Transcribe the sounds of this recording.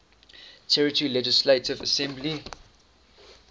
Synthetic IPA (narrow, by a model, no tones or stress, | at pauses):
tʰɛɹətəɹilɛd͡ʒɪsletɪvəsɛ̃mbli